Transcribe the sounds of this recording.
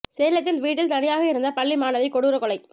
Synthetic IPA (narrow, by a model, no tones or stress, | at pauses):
seːlɐt̪̬ːɪlʋiːʈ̬ːɪlt̪ɐnɪjaːɣɐɪɾɯnd̪ɐpɐɭːimaːnɐʋɐɪkɔɽɯɾɐkɔlɐɪ